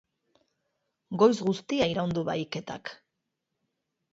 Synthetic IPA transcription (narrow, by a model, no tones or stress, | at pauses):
ɡo̞jzɣust̪iaiɾawnd̪uβajke̞t̪a̰k